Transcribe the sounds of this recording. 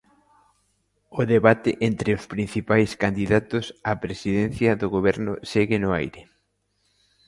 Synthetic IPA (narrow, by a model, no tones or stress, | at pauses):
ʊðeβat̪ɪʔent̪ɾɪʊspɾin̟θipajskand̪iðat̪ʊsapɾesiðɛn̟θjɐðʊɣoβ̞ɛɾnʊ̰sɛɣɪnʊajɾɪ